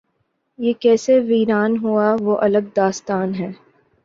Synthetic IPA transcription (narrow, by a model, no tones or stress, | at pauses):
jekɛːseʋiːɾaːnɦuaʋoːʔɐləɡ̚d̪aːst̪aːnɦɛː